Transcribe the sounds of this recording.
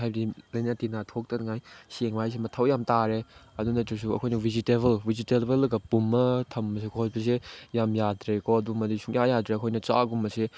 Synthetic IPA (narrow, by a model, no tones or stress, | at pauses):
ajbdilɐjnatinatʰok̚tɐnŋajseŋbajs̬emɐtʰawjamtaɾeɐdunɐtiɾs̬uɐ̰kʰojnɐwiziteβɐlbizitelbɐlɡɐpumːɐtʰɐmːɐs̬ekʰɔt̚bɐs̬ejamjadɾekɔt̚umɐdisʰuŋjajadɾeɐkʰojnɐt͡ʃa̰ɡumːɐse